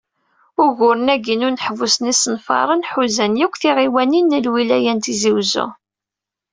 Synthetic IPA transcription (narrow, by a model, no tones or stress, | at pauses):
ʊʝʊɾənæɡinʊɾnəħvusənisənfɑ̰ɾˤənħuzænjikʷːθiʁiwæninːəlwilæjænt̪iziwzʊ̰